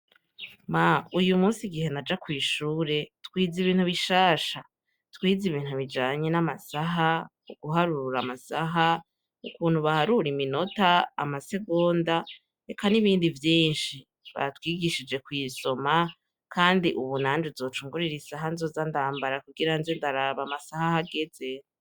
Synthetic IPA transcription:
maujumuːsiɡihe̞nad͡ʒakwiːʃuːɾe̞tkwiːziβiːnhuβiʃaːʃa | twiːziβiːn̥huβid͡ʒaːɲenamasaɦa | uɡ̥uɦaɾuɾuɾamasaɦa | ukuːn̥huβahaɾuɾimino̞ta̰ːmase̞ɡoːnda | ekʰaniβiːndivjiːnʃi | βa̰twiːɡiʃid͡ʒe̞kwiːso̞ma | kaːndiʔuβunaːnd͡ʒuzo̞ːt͡ʃuːŋɡuɾiɾisaɦanzozandaːmbaɾakuɡiɾanzendaɾaβamasahahaɡe̞z̥e

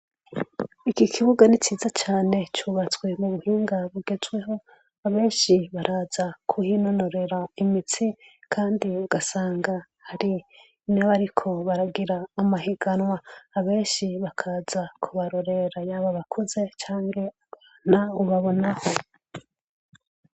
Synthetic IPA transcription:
ikikʰiβuɡanit͡ʃiːzat͡ʃaːne̞t͡ʃuːβat͡swe̞muβuhiːŋɡaβuɡe̞zɡwe̞ɦo̞ | aβe̞ːnʃiβaɾʔaz̥akʰuhino̞no̞ɾe̞ɾaimit͡sikʰaːndiuɡasaːŋɡa | haɾi | neβaɾikʰo̞βaɾaɡiɾaːmahiɡanwaːβe̞ːnʃiβakʰazakʰuβaɾo̞ɾe̞ɾajaːβaβakʰoze̞t͡ʃaːŋɡe̞aβaːn̥auβaβo̞naho̞

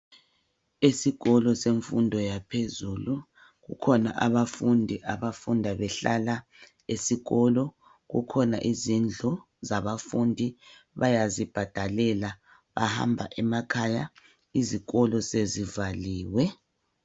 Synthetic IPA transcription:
esiɣɔlɔseɱfundʱɔjapʰezulu | ɣukʰɔna̰ʔaβafundʱiʔaβafundʱaβɛɬala | esiɣɔlɔ | ɣṵkʰɔna̰ʔizind͡ɮʱɔ | zaβafundʱiβajazib̥ʱad̥ʱalɛla | βaha̰mbʱaʔɛmakʰaja | iziɣɔlɔsezivaliːwɛ

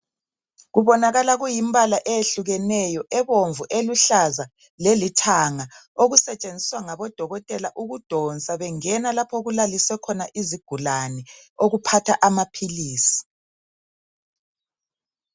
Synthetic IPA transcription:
ɣuβɔnaɣalaɣujimbalaʔejeɬuɣɛnɛjɔʔɛβoɱvuʔeluɬaza | lelitʰaŋa | oɣusɛt͡ʃʼend͡zʱiswaŋaβɔd̥ʱɔɣɔtʼɛlaʔuɣud̥ʱɔnt͡sʼaβɛŋɛnalapʰɔɣulaliswɛkʰɔnaʔiziɡ̥ʱulanɛoɣupʰatʰaʔamapʰiliːsi̥

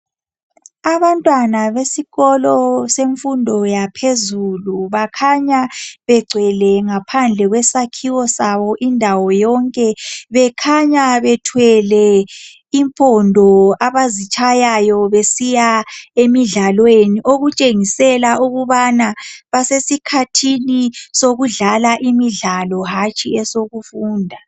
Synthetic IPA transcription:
aβantʼwanaβesiɣɔlɔseɱfundʱɔjapʰezuluβakʰaɲaβɛɡ͡ǀʱwɛlɛŋapʰand͡ɮʱɛɣwɛsakʰiwɔsaβɔʔindʱawɔjɔŋkʼɛβɛkʰaɲaβɛtʰwɛlɛ | iɱpʼɔndʱɔaβazit͡ʃʼajajɔβesijaemiɮalweniʔoɣut͡ʃʼeŋisɛlaʔuɣuβanaβasesikʰatʰinisoɣuɮalaʔimiɮalɔɦat͡ʃʼiɛsoɣufuːndʱa

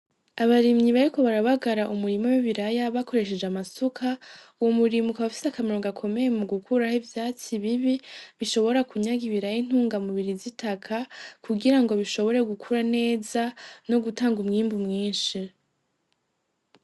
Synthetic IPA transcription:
aβaɾimɲiβaɾiko̞βaɾaβaɡaɾaʔumuɾimowiβiɾajaβakʰo̞ɾe̞ʃ̬e̞d͡ʒeamasukʰauwo̞muɾimukaβafi̥sakameɾo̞ːŋɡakʰo̞me̞jemuɡukʰuɾahivjaːt͡siβiβiβiʃo̞βo̞ɾakʰuɲaɡiβiɾajin̥huːŋɡamuβiɾizitʰakʰakuɡiɾaŋɡo̞βiʃo̞βo̞ɾe̞ɡukʰuɾane̞ːzano̞ɡutaːŋɡumŋiːmbumŋiːnʃi

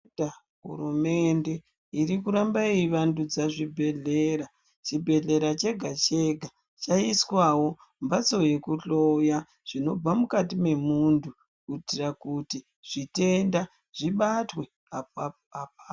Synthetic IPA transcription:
a | ɦṵɾume̞nde̞ | iɾikuɾambaiʋandud͡zaʐibʱe̞ɮeɾa | t͡ʃibʱe̞ɮe̞ɾat͡ʃe̞ɡʱat͡ʃe̞ɡʱa | t͡ʃaiswawo̞ | mbat͡so̞je̞kuɬo̞ja | ʐ̥ino̞b͡vamukatime̞mundʰu | kutirakuti | ʐ̥ite̞nda | ʐ̥iɓatwe̞ | a | apa

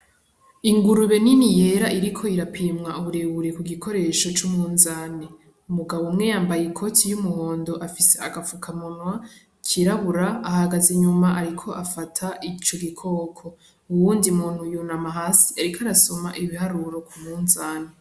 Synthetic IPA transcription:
iŋɡuɾuβe̞ninije̞ɾaʔiɾikʰo̞iɾapʰiːmŋauβuɾe̞βuɾekuɡikʰo̞ɾe̞ːʃo̞t͡ʃumŋuːnzaːne | umuɡaβomŋe̞jaːmbajekʰo̞tʰijumuho̞ːndo̞ʔafise̞aɡafukʰamonwa | cʰiɾaβuɾaːhaɡazeɲumaʔaɾikʰo̞ʔafatʰaʔit͡ʃoɡikʰo̞ːkʰo̞ | uwuːndiumuːn̥hujunamaɦasi̥aɾikʰaɾasomaʔiβihaɾuɾo̞kʰumŋunzaːne

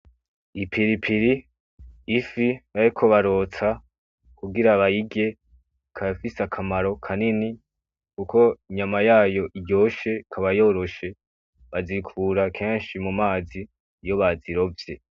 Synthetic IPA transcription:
ipʰiɾipʰiɾiː | fiβaɾikʰo̞βaɾo̞t͡sa | kuɡiɾaβajiɡe̞ | kʰafisakʰamaɾo̞kʰanini | kuko̞iɲamajaːjo̞ʔiɟo̞ːʃe̞kʰaβajo̞ːɾo̞ʃe̞ | βazikʰuːɾakʰe̞ːnʃimumaːziː | jo̞βaziɾo̞vje

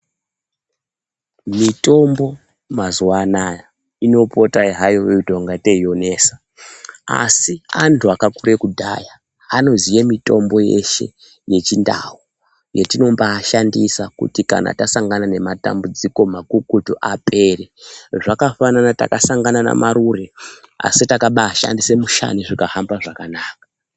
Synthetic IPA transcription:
mito̞mbo̞ | mazuwanaja | ino̞po̞taiɦajoweudʱo̞ŋɡate̞ijo̞ne̞ːsḁ | a̰siantʰuakakuɾe̞kudʱa̰jaː | no̞zijemito̞mbo̞je̞̰ʃe̞̰ | je̞t͡ʃinda̰wu | jetino̞mbaːʃandisakṵtika̰na̰tasaŋɡanane̞mata̰mbud͡ziko̞makukutoʔape̞re̞ʐakafananata̰kasaŋɡanana̰maɾure̞ | a̰sitakaɓaːʃa̰ndise̞muʃa̰niʐikahambaʐakanaːka

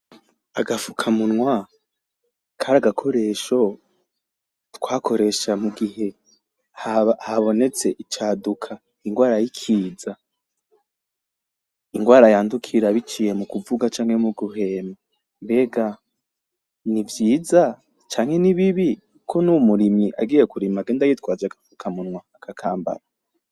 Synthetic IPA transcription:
aɡafukʰamunŋwa | kʰaɾaɡakʰo̞ɾe̞ʃo̞ | twaːkʰo̞ɾe̞ʃamuɡihe̞ | hahaβo̞ne̞t͡se̞ʔit͡ʃaːdukʰa | iŋɡwaːɾajikʰiːza | iŋɡwaːɾajaːndukʰiɾaβit͡ʃije̞mukuvuɡat͡ʃaːŋ̥hemuɡuɦe̞ːma | mbe̞ːɡa | nivjiːza | t͡ʃaːŋ̥he̞niβiβi | kʰo̞numuɾimiʔa̰ɡiːje̞kuɾimaɡeːndajitwaːzakaukʰamunwaːkʰakʰaːmba̰ɾa

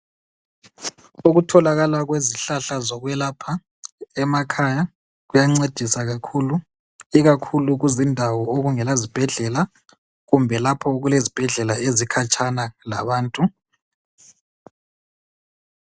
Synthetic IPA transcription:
uɣutʰɔlaɣalaɣweziɬaɬazɔɣwɛlapʰa | ɛmakʰaja | ɣujaŋ͡ǀed̥ʱisaɣakʰulu | iɣakʰuluɣuzindʱawɔoɣuŋɛlazib̥ʱɛɮɛla | ɣumbʱɛlapʰɔɣulezib̥ʱɛɮɛlaezikʰat͡ʃʼʰanala̰βaːntʼu

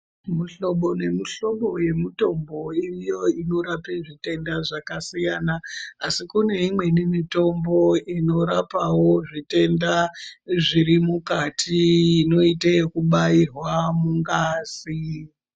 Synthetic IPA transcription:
muɬo̞ɓone̞miɬo̞ɓo̞je̞mito̞mbo̞irijo̞ino̞ɾapeʐite̞ndaʐakasijanaːsikune̞imwe̞nimito̞mbo̞ino̞ɾapawoʐite̞ndaʐiɾimukatʰiːno̞itekuɓairwamuŋɡaːzi

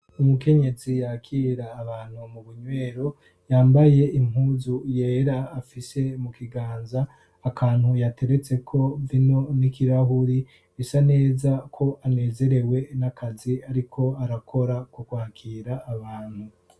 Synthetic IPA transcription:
umuke̞ɲe̞zijakʰiːɾaːβaːn̥humuβuɲwe̞ːɾo̞ | jaːmbaje̞ʔim̥huːzuje̞ːɾaːfise̞mukiɡaːnzaː | kʰaːnhujate̞ɾe̞t͡se̞kʰo̞vino̞nikiɾaɦuɾi | esane̞ːzakʰo̞ʔane̞ːze̞ɾe̞we̞nakʰaziaɾikʰo̞aɾakʰo̞ɾakukwaːkʰiːɾaːβaːn̥hu

